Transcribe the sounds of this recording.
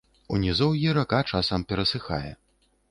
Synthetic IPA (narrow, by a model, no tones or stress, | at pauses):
unʲizɔwjiɾɐkat͡ʂasɐmpʲɛɾɐsɨxa̰jɛ̰